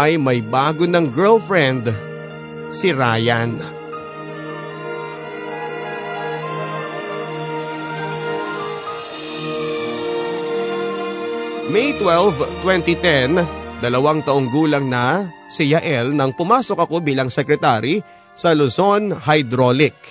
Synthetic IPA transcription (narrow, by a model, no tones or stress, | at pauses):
ʔɐjmɐjbaːɡonɐŋɡɛɹlfɹɛnd̪ | sɪɾaːjan | mɛjt̪wɛlvt̪wɛnt̪it̪ɛnd̪ɐlɐwaŋt̪ɐʔoŋɡuːlɐŋnɐ | sɪjɐʔɛlnɐŋpʊmaːsokɐko̞biːlɐŋsɛkɾɛt̪aɾi | sɐlʊso̞nhajd̪ɾolɪk̚